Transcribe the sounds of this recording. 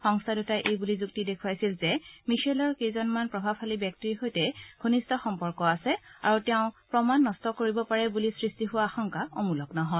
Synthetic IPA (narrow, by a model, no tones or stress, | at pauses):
xɔŋstʰadutajʔejbulizuk̚tidekʰuwajsilzɛmisalɔɹkejzɔnmanpɹɔbʱabhalibjɛk̚tiɹɦojtɛɡ̥ʱonistɔxɔmpɔɹkɔasɛa̰ɹutɛʊ̃pɹɔmanːɔstɔkoɹibɔpaɹɛbulisɹistiɦʊwaːxɔŋkaɔmulɔknɔɦɔ